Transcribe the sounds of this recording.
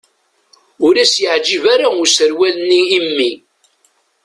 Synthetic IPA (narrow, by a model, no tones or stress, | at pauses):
ʊɾæsjəʕd͡ʒivaɾaʊɾsəɾwælənːiːmːi